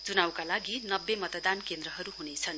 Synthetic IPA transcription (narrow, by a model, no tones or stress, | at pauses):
t͡sunawkalaɡinʌbːemʌt̪ʌd̪ankend̪rʌɦʌɾuɦunet͡sʰʌn